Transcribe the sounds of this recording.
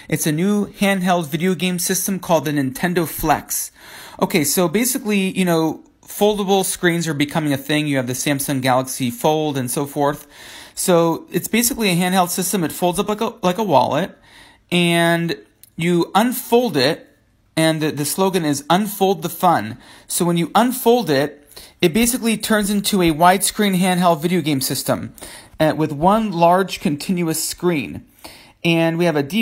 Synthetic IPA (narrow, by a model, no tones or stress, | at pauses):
ʔɨtsɨnʉhæ̃nd̚ɦɛlˠdvɪɾioʊɡẽɪ̃msɪstə̃mkʰɔlˠd̪̚ɨnɨ̃ntʰɛ̃ndoʊflæ̰ks | ʔoʊkʰeɪsoʊbeɪsɨklijɨñoʊ | foʊlˠdəbl̩ˠskɹĩnzə˞bɨkʰʌmɪ̃ŋɨθɪ̃ŋjɨːvðɨsæ̃mpsɨ̃nɡælˠəksifoʊlˠdɨ̃nsoʊfɔɹθsoʊɨtsb̥eɪsɨkliɨɦæ̃ndhɛlˠd̥sɪstɨ̃mɨtfoʊlˠdzʌplaɪkəlaɪkəwɑ̰lˠət̚ | ɨ̃n | jɨə̃nfoʊlˠdɪɾ̚ | ɨ̃nðɨðɨsloʊɡɨ̃nɪzə̃nfoʊlˠd̪̚ðəfʌ̃nsoʊwə̃njɨʔə̃nfoʊlˠdɪɾ̚ | ɨt̚b̥eɪsɨklitʰɜ̃˞nzɪ̃ntʰuɨwaɪd̥skɹĩnɦæ̃nd̚ɦɛlˠvɪɾioʊɡẽɪ̃msɪstə̃mɨwɨðwʌ̃nlɑɹd̥ʒ̥kʰɨ̃ntʰɪ̃njʉɨskɹĩn | ɨ̃nwiɨvɨdi